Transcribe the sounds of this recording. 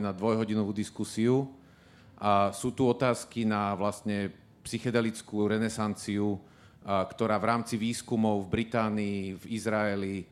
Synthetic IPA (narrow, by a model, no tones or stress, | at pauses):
nad̪ʋɔjɦɔɟinɔʋuːd̪iskusiu | suːt̪uɔt̪aːskinaʋlast̪ɲɛ | psixɛd̪ɛlit͡skuːɾɛnɛsant͡siu | kt̪ɔɾaːʋɾaːmt͡siʋiːskumɔʊvbɾit̪aːniːvizɾaɛli